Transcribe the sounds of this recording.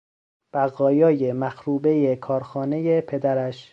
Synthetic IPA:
b̥æɣɒːjɒːjemæxɾuːbe̞je̞kʰɒːɾxɒːne̞jepʰe̞d̪æɾæʃ

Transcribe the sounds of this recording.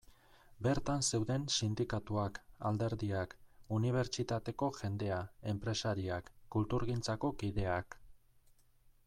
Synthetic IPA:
be̞ɾt̪anse̞wðe̞nsind̪ikat̪uaka̰ld̪e̞ɾðiakuniβ̞e̞ɾt͡ʃit̪at̪e̞ko̞ʝe̞nd̪e̞ae̞mpɾe̞saɾiakːult̪uɾɣint͡sako̞kiðe̞ak

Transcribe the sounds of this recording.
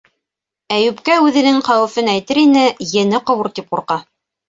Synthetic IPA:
æjʉpkæʉðɘ̆nɘŋχæwɘ̆fɘnæjt̪ɘɾinɘjɘ̆nɘqɤ̆wuɾt̪ip̚quɾqɑ

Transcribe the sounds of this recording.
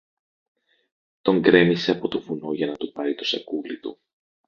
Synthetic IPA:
t̪o̞ŋɡɾe̞mise̞ɐpo̞t̪o̞vuno̞ʝɐnɐt̪upɐɾit̪o̞sɐkulit̪ṵ

